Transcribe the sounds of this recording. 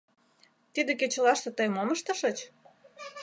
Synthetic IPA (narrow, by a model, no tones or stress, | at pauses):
t̪id̪ek̬et͡ɕə̆lɑʃt̪ĕt̪əjmoməʃt̪ə̆ʃə̆t͡ɕ